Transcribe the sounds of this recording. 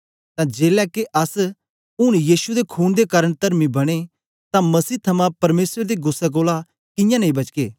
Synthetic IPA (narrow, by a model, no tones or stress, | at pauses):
t̪ãːd͡ʒeːlɛkeʔɐs | ʊɽ̃jiːʃud̪ekʰuːnd̪ekaːɾəɽ̃t̪ɐɾmĩbɐɽ̃e | t̪ãmɐsiːt̪ʰɐmãpɐɾmeːsɾd̪iɡʊsːɛkoːla | kɪ̃jãnɐĩbɐt͡ʃkeː